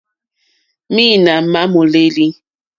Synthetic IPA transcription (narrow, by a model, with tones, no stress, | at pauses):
mi˦˨na˨ma˦mo˨le˦li˦